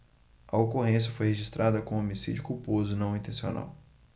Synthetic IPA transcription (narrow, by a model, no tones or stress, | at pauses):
ɐokoɦẽsjɐfojheʒist̪ɾʔad̪ɐkõomisḭd͡ʒʊkupozʊnɐ̃w̃ĩnt̪ẽsio̰na̰w